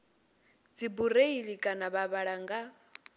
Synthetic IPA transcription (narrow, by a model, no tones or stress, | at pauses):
d͡zibureiɺikʼanaβaβaɺaŋɡa